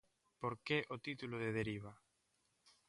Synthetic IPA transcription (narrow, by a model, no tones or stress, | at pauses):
poɾkeʔot̪it̪uloðeðeɾiβ̞a